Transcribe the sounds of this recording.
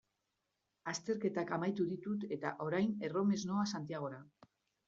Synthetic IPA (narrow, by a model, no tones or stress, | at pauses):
ast̪e̞ɾke̞t̪akamajt̪uðit̪ut̪e̞t̪aʔo̞ɾajne̞ro̞me̞zno̞asant̪iaɣ̞o̞ɾa